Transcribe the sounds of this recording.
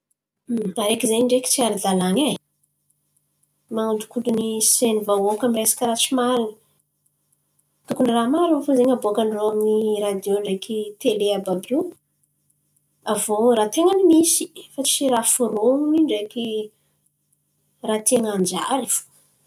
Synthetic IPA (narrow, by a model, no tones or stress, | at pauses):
aɾekizeɲiɳɖ͡ʐeki̥t͡siaɾid̪alaŋa | maŋuɳɖ͡ʐu̥kuɖ͡ʐunisenivawokamiresḁkəɾat͡ʃimaɾinə̥ | t̪ukuɳramaɾuafozeɲaboakaɳɖ͡ʐoaminirad̪joɳɖ͡ʐekit̪eleababu | avoɾat̪eŋanimisi̥fat͡ʃiɾafuɾoŋuniɳɖ͡ʐeki | rat̪eŋand͡ʒa̰ɾifu̥